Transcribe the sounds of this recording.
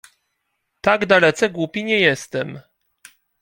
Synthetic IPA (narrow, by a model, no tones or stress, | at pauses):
t̪aɡd̪alɛt̪sɛɡwupʲiɲɛjɛst̪ɛm